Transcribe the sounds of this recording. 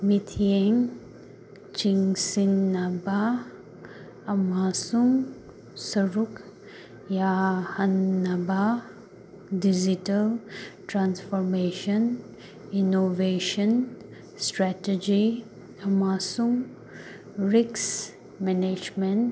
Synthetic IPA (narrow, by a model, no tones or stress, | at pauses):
mit̪ʰieŋ | t͡ʃiŋsinːaba | ɐmasuŋ | sɐɾuk | jahɐnːɐba | did͡ʒitɐlʈɾansfʰɔɾmeʃɐn | inoveʃən | sʈɾɛted͡ʒi | ɐmasuŋ | ɾiks | mɛned͡ʒment